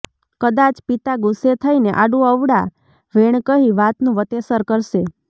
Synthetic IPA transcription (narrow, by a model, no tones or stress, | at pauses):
kəd̪at͡ʃpit̪aɡuset̪ʰəineʔaɖũəʋɽa | ʋeɳ̃kəɦiʋat̪nũʋət̪esəɾkəɾʃe